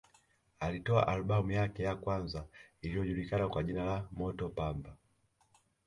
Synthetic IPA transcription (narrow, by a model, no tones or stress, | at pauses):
alitɔa̰ʔalɓamujakɛjakwanzailiɔʄulikanakwaʄinalamɔtɔpamba